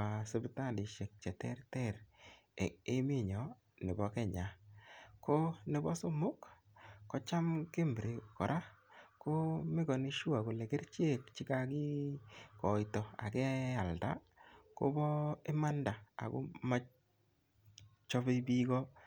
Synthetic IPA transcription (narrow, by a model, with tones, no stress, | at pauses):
a˨se˦bta˦ndi˨ʃe˨k̚t͡ʃɛ˨tɛ̰˦rtɛ˦˨ɾ | e˦mɪ˦˨ɲɔ˨ | nɪ˨bɔ˦kɛ˦ɲa˨ko˦nɪ˨bɔ˦sʊ˦mʊ˦k | kːɔ˦t͡ʃa˦mke˦mbɾe˨kɔ˨ɾʔa˦ko˦mɪ˦ɡɔ˨nɪ˦ʃu˦a˨ko˨lɛ˨ɡe˦ɾt͡ʃe˦kt͡ʃɪ˦ka˦ɡɪ˦kɔ˨i˨tɔ˨a̰˨kɛ˦a˨lda̰˦ | ko̰˦bɔ˦e˦ma˦nda˨a̰˨ɡo̰˦ma˦ | t͡ʃɔ˦be˦bi˦ɡɔ˦